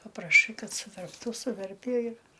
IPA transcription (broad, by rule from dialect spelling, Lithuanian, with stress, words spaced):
pɐprɐˈʃɐɪ ˈkɐt sʊʋʲɛrpˈtuː sʊˈʋʲɛrʲpʲiɛ ɪr